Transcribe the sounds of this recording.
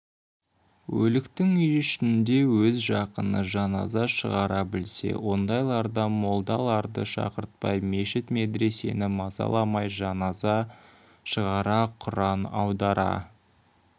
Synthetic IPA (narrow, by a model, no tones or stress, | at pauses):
wɵlɪkt̪ɪŋʏjʏʃɪnɪnd̪e̞wɵzʒɑqənəʒɑnɑ̰zɑʃəʁɑɾɑbɪlse̞̰wo̞nd̪ɑjlˠɑɾd̪ɑmo̞lˠd̪ɑlˠɑɾd̪əʃɑ̰qəɾt̪̚pɑjme̞ʃɪt̪me̞d̪ɾe̞se̞nɪmɑzɑ̰lˠɑmɑjʒɑnɑzɑ | ʃəʁɑɾɑqʰʊɾɑnɑwd̪ɑɾɑ̰